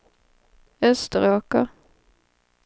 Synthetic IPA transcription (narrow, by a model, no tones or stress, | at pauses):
œst̪əʁoːkə